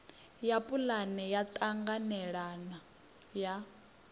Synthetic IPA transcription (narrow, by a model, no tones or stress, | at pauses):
japʼulanɛjat̪ʼaŋɡanɛɺana | ja